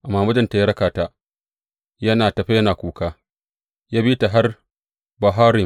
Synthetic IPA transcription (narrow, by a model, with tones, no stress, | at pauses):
ʔa˨mːaː˨mɐ˦d͡ʒɐ˦˨nta˨ja˦ɽɐ˦kaː˨ta˨ | jɐ˦naː˨tɐ˨ɸe˦jɐ˦naː˨kʷuː˨˦kaː˦ | jaː˦biː˦ta˨ɦa˦r | bɐ˨ɦaː˦ɾɪ˨